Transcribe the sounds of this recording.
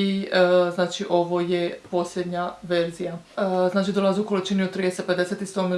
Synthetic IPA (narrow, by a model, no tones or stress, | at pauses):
iznaːt͡ʃiʔo̞ʋojepo̞sʎʲed̪ɲaʋe̞ɾzija | znaːt͡ʃid̪olazuukolit͡ʃiniot̪ːɾid̪eseped̪eset̪ist̪omi